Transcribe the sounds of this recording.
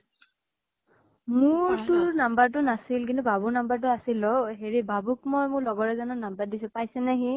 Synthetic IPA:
mʊɹtʊɹnambaɹt̬ʊnasilk̬intʊbʱabuɹnambaɹt̬ʊasilɔɦeɹibabukmɔjmʊɹlɔɡɔɹɛzanɔnambaɹdisʊ̃pajsɛnɛɦi

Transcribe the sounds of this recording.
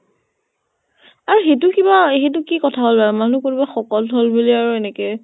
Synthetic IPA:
aɹuxet̬ʊkibaexet̬ʊkikɔtʰaɦolbaɹmanukoɹibaxɔkɔlɦolbuliaɹuɛnɛkɛ

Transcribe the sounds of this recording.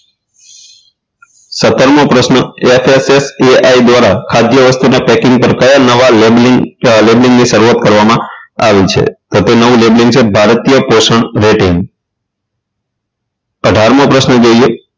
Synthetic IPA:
sət̪əɾmopɾəʃnəefeseseaid̪ʋaɾakʰad̪jəʋəst̪unapɛkɪ̃ŋɡ̚pəɾkəjanəʋal | lebliŋɡniʃəɾuat̪̚kəɾʋamãaʋit͡ʃʰḛt̪ot̪enəʋũlebliŋɡt͡ʃʰebʱaɾt̪ijəpoʃəɳɾeʈen | əɖʱaɾmõpɾəʃnəd͡ʒoie

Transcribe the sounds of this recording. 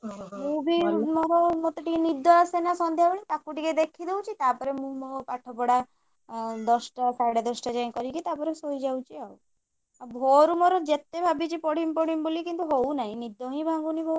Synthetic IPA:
mubʱimɔɾɔmɔt̪ɔʈikinid̪ʱːɔasenasɔnd̪ʱjabɔɽit̪akuʈiked̪ekʰid̪ewt͡ʃʰit̪apɔɾemũpaʈʰɔpɔɽa | d̪ɔsʈasaɽed̪ɔsʈad͡ʒaj̃kɔɾikit̪apɔɾesojd͡ʒawt͡ʃʰiaw | abʱoɾumɔɾɔd͡ʒet̪ebʱabit͡ʃipɔɽ̤impɔɽ̤imbolikint̪uɦownaɦĩnid̪ʱːoɦĩbʱaŋɡunibʱo

